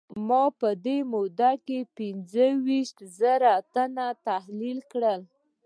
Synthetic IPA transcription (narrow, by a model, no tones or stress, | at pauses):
mɑpəd̪emod̪akepɪnzəwiʃt̪zəɾat̪anat̪ahlilkɽəl